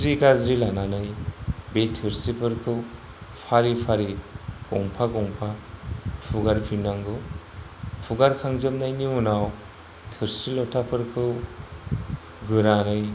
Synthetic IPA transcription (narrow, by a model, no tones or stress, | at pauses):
ɾikazɾilananɯjbetʰɯɾsipʰɯɾkʰɯw | pʰaɾipʰaɾiɔŋpʰaɡɔŋpʰapʰuɡaɾpʰinaŋɡɯw | pʰuɡaɾkʰaŋzɯmnajniunaw | tʰɯɾsilɔtʰapʰɯɾkʰɯw | ɡɯɾanɯj